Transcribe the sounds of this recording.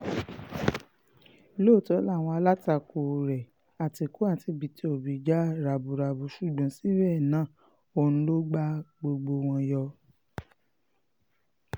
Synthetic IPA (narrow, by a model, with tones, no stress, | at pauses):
lo˦˨tɔ˨˦la˦˨w̃ɔ̃˧a˧la˦ta˧ko˨ɾɛ˨ | a˨ti˨˧ku˨˦a˦˨˦ti˧˦bi˨˦ti˧˦o˨bi˨d͡ʒa˦ɾa˨bu˨ɾa˨bu˨˦ʃu˦˨ɡ͡bɔ̃˨˦si˦ɾɛ˦˨nãː˦˨ | o˧nũ˧lo˦ɡ͡ba˦ɡ͡bo˧ɡ͡bo˧w̃ɔ̃˧jɔ˧